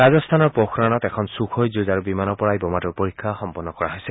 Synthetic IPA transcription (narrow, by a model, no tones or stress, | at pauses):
ɹazɔst̪ʰanɔɹpoxʰɹanɔtɛkʰɔnsuxʰojzuzaɹubimanɔpɔɹaijbɔmatɔɹpoɹikʰːaxɔmpɔnːɔkɔɹaɦojsɛ